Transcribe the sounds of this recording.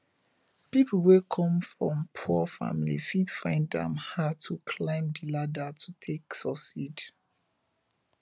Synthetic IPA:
pipʰlwekʰɔ̃mfɹɔ̃mpʰuəfa̰milḭfidfãɪ̃nddɛ̰̃mhatʰukʰlãɪ̃mdiladatʰutʰeksɔsid

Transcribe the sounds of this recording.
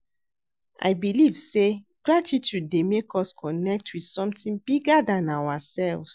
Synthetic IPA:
ʔa̰ɪbiliv̥se | ɡ̥ɹatʰitjud̚ːemekɔskʰɔnɛk̚twið̥sɔ̃mtĩnbiɡadãnawasɛlvs

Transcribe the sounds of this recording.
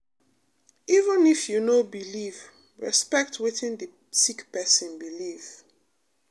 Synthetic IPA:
ivə̃nifjunobiliv | ɹɛ̰spɛk̚tʰwitĩndə | sikpɛsɔ̃nbiliv̥

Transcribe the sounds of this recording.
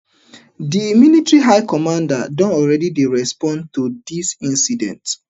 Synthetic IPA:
dimilitɹiɦaɪkɔmãndadɔ̃ntɔlɹɛdidiɹɛspɔ̃ntudisĩnsidɛ̰̃nt

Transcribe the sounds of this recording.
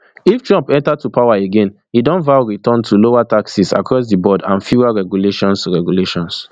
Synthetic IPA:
iftɹɔ̃mpɛ̃ntatupʰawaeɡẽn | idɔ̃nvaʊɹitɔ̃ntʰulowataksisa̰kʰɹɔs̬dibɔdãnfuaɹɛɡjuleʃɔ̃nsɹɛɡjuleʃɔ̃ns

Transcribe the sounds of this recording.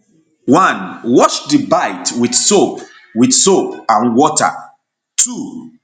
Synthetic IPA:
wʌ̃nwɔʃdibaɪtwidsop | widsopãnwɔta̰ | tʰu

